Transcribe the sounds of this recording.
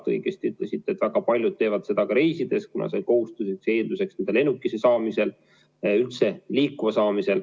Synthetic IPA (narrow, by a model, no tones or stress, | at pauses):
t̪ɤ̰jɡ̥est̪iyt̪lesit̪ːˑe̞t̪ːvæɡ̥ɑpɑlʲjud̪̚t̪e̞ːvɑd̪̥se̞d̪̥ɑkɑɾe̞jsid̪̥e̞skunɑ̰se̞ko̞hust̪usekse̞ːnd̪̥use̞ksnend̪ele̞nːukːˑise̞sɑːmise̞l | ylt̪se̞liːkːuvɑsɑːmise̞l